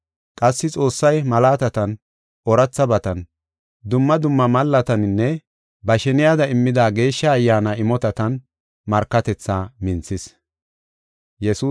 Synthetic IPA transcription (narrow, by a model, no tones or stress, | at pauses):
kʼɐsːɪt͡sʼo̞ːsːɐjmɐlaːt̪ɐt̪ɐn | ɔɾɐt͡sːɐbɐt̪ɐn | d̪ʊmːɐd̪ʊmːɐmɐlːɐt̪ɐnɪnːɛ | bɐʃɛnɪjaːd̪ɐɪmːɪd̪aːɡe̞ːʃːɐːjːaːnɐɪmɔt̪ɐt̪ɐn | mɐɾkːɐt̪ɛt͡sːaːmɪnt͡sːɪs | jɛsuː